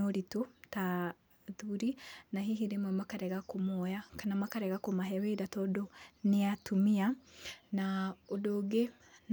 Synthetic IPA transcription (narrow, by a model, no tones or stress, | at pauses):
oɾitota | ðuɾinaɦiɦiɾemwɛmakaɾɛɣakomɔjakanamakaɾɛɣakomaɦɛwedatɔdoneatumianaodoɡe | n